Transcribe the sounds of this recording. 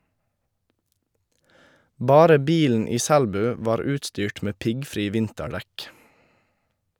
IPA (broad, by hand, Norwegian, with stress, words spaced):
ˈbɑːɾə ˈbiːln̩ ˈiː ˈsælbʉː ˈʋɑːɾ ˈʉːtstyːʈ ˈmeː ˈpɪɡˌfɾiː ˈʋɪntəˌɖɛk